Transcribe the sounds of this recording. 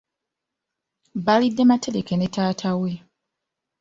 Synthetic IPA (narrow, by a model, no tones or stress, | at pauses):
balidːe̞mate̞ɾe̞ke̞netʰaːtʰawe̞